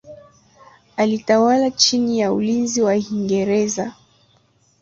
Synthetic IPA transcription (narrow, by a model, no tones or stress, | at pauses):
alitawalat͡ʃinijaulinziwahiŋɡɛɾɛza